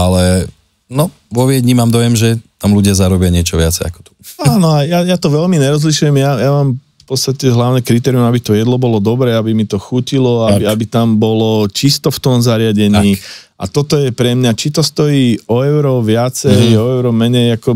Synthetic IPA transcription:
alɛ | nɔ | ʋɔʋɪɛd̪ɲimaːmd̪ɔjɛmʒɛt̪amluɟɪazaɾɔbɪaɲɪɛt͡ʃɔʋɪa̰t͡sɛja̰kɔ̥t̪u̥aːnɔajajat̪ɔʋɛlmiɲɛɾɔzliʃujɛmjajamaːmfpɔt͡st̪acɛɦlaʊnɛkɾit̪ɛːɾiumabit̪ɔjɛd̪lɔbɔlɔd̪ɔbɾɛːabimit̪ɔxucilɔabiabit̪ambɔlɔt͡ʃist̪ɔft̪ɔmzaɾɪaɟɛɲiːʔa̰t̪ɔt̪ɔjɛpɾɛmɲat͡ʃit̪ɔst̪ɔjiːɔɛʊɾɔʋɪat͡sɛjɔɛʊɾɔmɛɲɛjakɔ

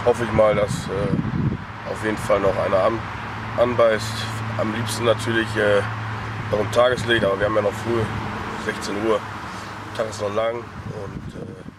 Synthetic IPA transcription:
hɔfəɪçmaːldasɛː | ʔaʊfjeːdn̩falnɔχʔaɪnɐam | ʔanbaɪst | ʔamliːpstn̩natʰyːɐlɪçɛː | nɔχɪmtʰaːɡəslɪçtʔaːbɐviɐhaːmjanɔχfʁ̥yːzɛçt͡seːnuːɐ | tʰaːχɪstnɔχlaŋ | ʔʊntɛː

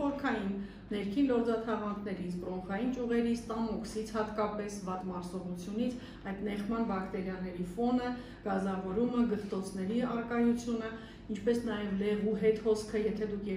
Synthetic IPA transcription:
ɔɾkʰɑjinː | ɛɾkʰinlɔɾd͡zɑt̪ʰɑʁɑnk̪ʰnɛɾizbrɔkʰɑjint͡ʃuʁɛɾist̪ɑmɔksit͡sʰhɑt̪kɑpɛsvɑt̪mɑɾsɔʁut͡sʰjunit͡sʰ | ɑjd̪mɛχmɑnbɑkt̪ɛɾjɑnɛɾifɔnə | ɡ̥ɑzɑvɔɾuməɡət͡st̪ɔt͡sʰn̪ɛɾiɑɾkɑjut͡sʰjunə | int͡ʃʰpɛsnɑjɛvlɛvuɦɛt̪hɔskʰəjɛt̪ʰɛd̪ukʰjɛ

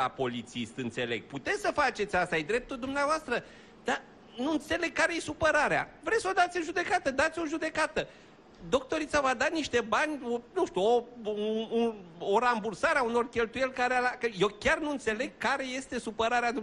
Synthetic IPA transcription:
a̰po̞lit̪sist̪ɨnt̪se̞le̞̰ɡ̚put̪e̞t̪ssəfat͡ʃe̞t̪sʲast̪aajd̪ɾe̞p̚t̪ud̪umneavoast̪ɾə | d̪̥a | nuɨnt̪se̞le̞ɡ̚kːaɾe̞je̞supəɾaɾea̰vɾe̞t̪so̞d̪at̪sʲɨnʒud̪e̞kat̪əd̪at̪sʲo̞ʒud̪e̞kat̪ə | d̪o̞k̚t̪o̞ɾit̪savad̪aniʃt̪e̞banʲonuʃt̪uo | uoɾambursaɾeauno̞rkʲe̞lt̪uje̞lʲkaɾealakəje̞wkʲarnuɨnt̪se̞le̞ɡ̚kaɾe̞je̞st̪e̞supəɾaɾead̪u

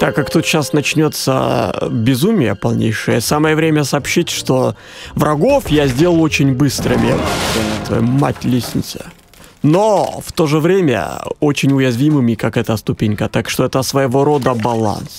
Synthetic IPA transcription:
t̪akːakt̪ut̪ɕasnɐt͡ɕnʲo̞t̪sə̰bʲɪzumʲɪjəpɐlˠnʲḛjʂɨjəsaməjəvɾʲemʲəsɐːpɕitʲʂt̪o | vɾʔɐɡo̞fjazʲdʲe̞lˠlˠo̞t͡ɕɪnʲbɨst̪ɾɨmʲɪt̪vɐ̰jmːa̰tʲlʲisʲnʲɪ̰t̪sə̰ | noft̪o̞ʐɨvɾʲemʲə̰o̞t͡ɕɪnʲʊjɪzvʲimɨmʲɪkakɛt̪əst̪ʊpʲenʲkət̪akʂt̪oɛt̪əsvəjɪvo̞ɾo̞d̪əbɐlˠa̰ns

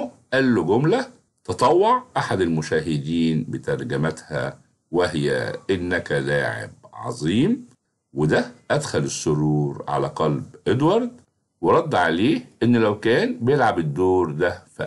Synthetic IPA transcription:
ʔælːoɡʊmlæ | t̪ɑt̪ˤɑwːɑʕʔaħad̪ɪlmʊʃæːɦɪd̪iːnbet̪ɑɾˤɡæmæt̪hæ̰ | wehjæ̰ʔɪnːækælaːʕḛb̚ʕɑ̰zˤiːm | wɪd̪æʔæd̪xælɪsːoɾuːɾʕa̰læːqɑlbʔed̪wɑɾˤd̪ | weɾˤɑd̪ːʕaleːhʔenːlæwkæːnbejelʕabɪd̪ːoːɾˤd̪æfæ

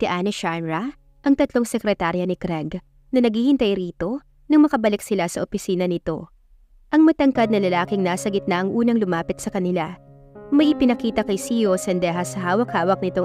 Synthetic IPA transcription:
t̪ɪʔaːnɛʃamɹɐ | ʔɐŋt̪ɐt̪lo̞ŋsɛkɾɛt̪aːɾjɐnɪkɾɛɡ | nɐnɐɡhiːhɪnt̪ɐjɾiːt̪o̞ | nɐŋmɐkɐbɐlɪksɪlasɐʔopɪsiːnɐnɪt̪o̞̰ | ʔɐŋmɐt̪ɐŋkɐd̪̚nɐlɐlaːkɪŋnaːsɐɡɪt̪nɐʔɐŋʔuːnɐŋlʊmaːpɪt̪̚sɐkɐnɪla | mɐjʔɪpɪnɐkiːt̪ɐkɐjsijosɛnd̪ɛːɦɐsɐɦaːwɐkhaːwɐk̚nɪt̪o

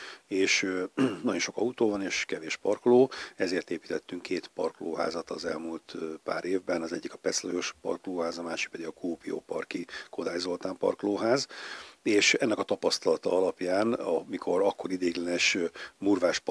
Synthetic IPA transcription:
eːʃnɒɟo̞nʃo̞kɒut̪oːvɒneːʃkɛveːʃpɒrkloːɛzeːrt̪eːpi̥t̪ɛt̪ːyŋkʰːeːt̪pɒrkloːɦa̰ːzɒt̪ɒːzɛlmult̪pa̰ːɾeːvbɛnɒzɛɟːikɒpɛslojo̞ʃpɒ̰rkloːɦaːzɒmaːʃik̚pɛd̪iɡɒkoːpijo̰ːpɒ̰rkiko̞d̪aːjzo̞lt̪aːmpɒ̰rkloːɦaːzeːʃɛnːɛkɒt̪ɒpɒst̪ɒlɒt̪ɒɒlɒpjaːnɒmikʰo̞ɾɒkːo̞ɾid̪eːɡlɛnɛʃmuːrvaːʃp

